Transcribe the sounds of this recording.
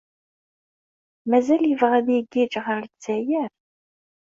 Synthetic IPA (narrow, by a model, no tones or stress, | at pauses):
mæzæljəvʁæðjiɡid͡ʒʁəɾt͡sːæjəɾ